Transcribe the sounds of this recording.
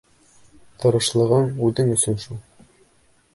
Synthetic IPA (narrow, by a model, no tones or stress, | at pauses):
t̪ɤ̆ɾɤ̆ʃlˠɤ̆ʁɤɴʉðɘŋɵ̆sɵnʃulˠ